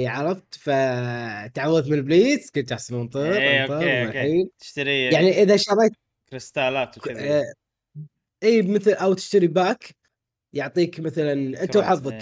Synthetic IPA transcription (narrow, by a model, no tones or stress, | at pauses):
ʕɑɾˤɑft̪fat̪ʕawːaðmɪnlbliːt̪skʊnt̪aħsˤɑnmʊnt̪ˤiɾˤɑmaliːlɪ̥ʃt̪aɾijaʕniʔɪðaʃɑɾˤɑjt̪̚ | kɾɪst̪aːlaːt̪ | ʔiːmɪθlʔawt̪ɪ̥ʃt̪aɾibaːk | jʊʕt̪ˤiːkmɪθalanʔɪnt̪awħɑðˤːɑk